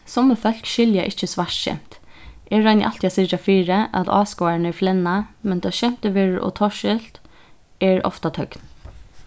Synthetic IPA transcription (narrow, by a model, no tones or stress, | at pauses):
sɔməfœl̥kʃɪljaʔɪt͡ʃːəsʋaʂʃɛ̰m̥t̪ | ɛɹɑjnɪ̰ʔɑl̥t̪ʰjasɪt͡ʃafiːɹəʔa̰t̪ɑ̰ːskɔaɹnɛɹflɛnːamɛnd̪ɑːʃɛm̥t̪əʋɪɹʔɔ̰t̪ʰɔʃɪlt̪ | ɛɹɔ̰ft̪at̪ʰœkn